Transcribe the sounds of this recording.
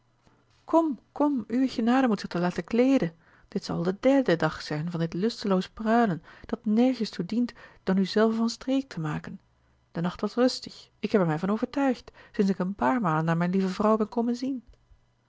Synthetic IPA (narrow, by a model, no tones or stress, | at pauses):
kʰɔmkɔmyəɣənaːɾəmutsɪtəlaːtəklejdən | d̥ɪtsɑ̰lˠdədɛɹdədɑχsɛjnvɑndɪtlʏstəlowsəprœɥlənd̥ɑtnɛɹχəstudintd̥ɑnyzɛlˠfəvɑnstreːk̚tʰəmaːkən | d̥ənɑχtʋɑsrɵstə̥xɪkɦɛpɛɹmɛjvɑnoːvəɹtœɥxtsɪnsɪkənpaːɹmaːlənːaːɹmɛjnlivəvrɔwbɛnkowmənzin